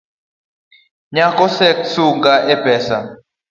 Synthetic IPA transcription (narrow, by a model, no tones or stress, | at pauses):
ɲakʼɔsɛksuŋɡaʔɛb̥ʱɛːsa̰